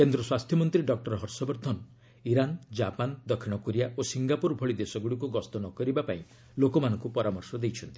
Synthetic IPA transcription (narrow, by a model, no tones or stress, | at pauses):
kend̪ɾɔswast̪ʰjɔmɔnt̪ɾiɖɔk̚ʈɔɾɦɔɾsɔbɔɾt̪ʰɔn | iɾand͡ʒapand̪ɔkʰiɽ̃ɔkoɾijaʔosiŋɡapuɾbʱɔɭid̪esɔɡuɽik̬uɡɔst̪ɔnɔkɔɾibapaĩ | lokɔmanɔŋkupɔɾamɔɾsɔd̪ejt͡ʃʰɔnt̪i